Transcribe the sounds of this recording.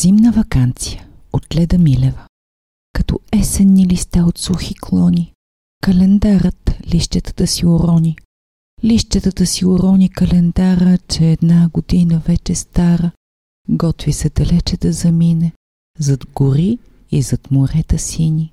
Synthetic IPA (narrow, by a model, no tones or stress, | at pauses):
z̥imnəvɐkant̪sijəot̪lɛd̪ɐmilɛvə | kɐt̪ɔ̰ɛsɛnːilist̪aot̪suxikʰlˠɔni | kɐlɛnd̪aɾət̪liʃt̪ɛt̪ə̥t̪əsioɾɔni | liʃt̪ɛt̪ət̪əsioɾɔnikɐlɛnd̪aɾət͡ʃɛːd̪naɡod̪inəvɛt͡ʃɛst̪aɾə | ɡɔt̪visɛd̪ɐlɛt͡ʃɛd̪ɐzɐminɛ | zɐd̪ɡoɾi | izɐt̪moɾɛt̪əsini